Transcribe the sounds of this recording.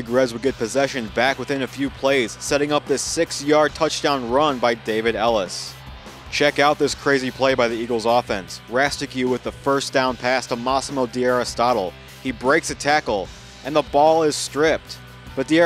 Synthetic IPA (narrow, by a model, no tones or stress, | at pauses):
ɨɡɹɛzwɨdɡɛt̚pʰɨzɛʃɨ̃nbækwəθɪ̃nɨfjʉpʰl̥eɪz̥sɛɾɪ̃ŋʌp̚ðɪsɪksjɑɹd̚tʰʌt͡ʃd̥ãʊ̃nɹʌ̃nbaɪdeɪvɨɾɛlˠəs | t͡ʃʰɛkaʊt̪̚ðɪskʰɹ̥eɪzipʰl̥eɪbaɪðiiɡl̩ˠzɔfɛ̃nsɹæstɨkjɨwɨðəfɜ˞sd̥ãʊ̃npʰæstəmɑsmoʊdiɛɹɨstɑɾl̩ˠ | ibɹeɪksɨtʰækl̩ˠ | ʔɨ̃nðəbɔlˠɪz̥stɹ̥ɪp̚t̚ | b̥ʌt̪̚ði